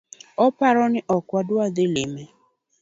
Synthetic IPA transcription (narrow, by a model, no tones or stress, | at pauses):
ɔpaɾɔnɪʔɔkwadwaðɪlɪmɛ